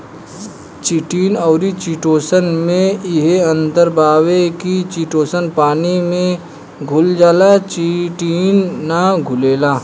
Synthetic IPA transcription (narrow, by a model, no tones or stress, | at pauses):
t͡ʃiʈiːnɔːɾit͡ʃiʈoːsənmẽɪɦeɐ̃nt̪əɾbaːwekit͡ʃiʈoːsənpaːnimẽ | ɡʱʊld͡ʒaːlat͡ʃiʈiːnːaɡʱʊleːlaː